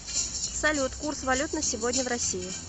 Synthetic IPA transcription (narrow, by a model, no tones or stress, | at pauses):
əpsɐlʲut̪kursvɐlʲut̪nəsʲɪvodʲnʲəvrɐsʲijɪ